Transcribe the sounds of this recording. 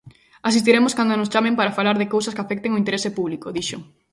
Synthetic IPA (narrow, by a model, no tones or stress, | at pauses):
asist̪iɾemʊskand̪onost͡ʃamẽmpaɾafalaɾðɪkowsɐskafɛk̚t̪eŋoint̪eɾesɪpuβlikoðiʃoŋ